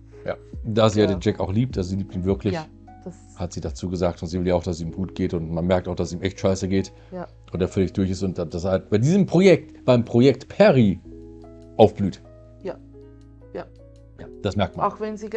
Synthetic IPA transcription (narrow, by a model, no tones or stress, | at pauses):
ja̰ːd̥aːziːjaːɾeːnd͡ʒɛkaʊxliːp̚tʔazoziːliːp̚tiːnvɪɐklɪç | d̥a | hatz̥iːdat͡suːɡəzaːk̚tʊntz̥iːvɪljaːaʊxd̥asziiːmɡuːt̚ɡ̥eːtʊntmanmɛɐk̚taʊxd̥asiːmʔɛçtʃaɪsəɡeːt | ʔʊnteːɐfœlɪçd̥ʊɐçɪstʊntd̥ad̥ashalt̚b̥aɪdiːzəmpʁ̥ojɛk̚tb̥aɪmpʁ̥ojɛk̚tpʰɛʁi | ʔaʊfb̥lyːt | j | j | jaːd̥asmɛɐk̚tmaxvɛnzi